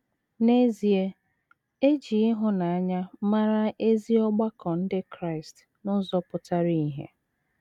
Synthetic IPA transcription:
ne˦zi˨e˦ | e˦d͡ʒi˨ɪ˦ɦʊ˨na˨a˦ɲa˦ma˦ɾa˦ʔe˦zi˦ɔ˦ɡ͡ba˦kʰɔ˨n̩˦dɪ˦kɾa˦ɪ˨st | nʊ˦zɔ˦pʊ˨ta˦ɾi˦i˦ɦḛ˨

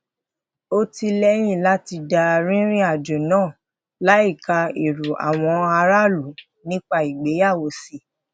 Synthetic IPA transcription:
o˦ti˧lɛ˦j̃ĩ˦˨la˦ti˧da˧ɾĩ˦ɾ̃ĩ˦a˦˨d͡ʒo˨nãː˦˨ | la˦i˦˨ka˧i˨ɾu˨ʔa̰˨w̃ɔ̃˧a˧ɾa˦lu˨˦ | nĩ˦k͡pa˦i˨ɡ͡be˨˦ja˦˨wo˧si˨

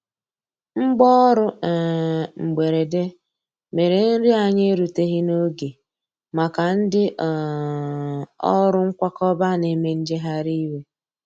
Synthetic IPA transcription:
ŋ͡m̩˦ɡ͡bɔ˦ɾʊ˦ɛ˨ŋ͡m̩˨ɡ͡be˨ɾe˨de˦ | me˨ɾe˨n̩˦ɾɪ˦a˨ɲe˦ɾu˨te˦ɣɪ˦no˦ɡe˨ | ma˨ka˨n̩˦dɪ˦ʔ | ɔ˦ɾʊ˦ŋ̩˦kʷa˦kɔ˦ba˦ne˦me˦n̩˦d͡ʒe˦ɦa˦ɾi˦we˦

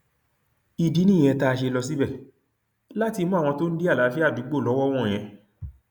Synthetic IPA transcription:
i˨di˨˦nĩ˦˨ɛ̃˧ta˧ʃe˧lɔ˧s̬i˦bɛ˦˨ | la˦ti˧mũ˦˨ɔ̃˧to˦n̩˦de˦a˦˨la˨˦fi˦a˦˨du˨˦ɡ͡bo˦˨lɔ˨˦wɔ˦w̃ɔ̃˦˨j̃ɛ̃˧

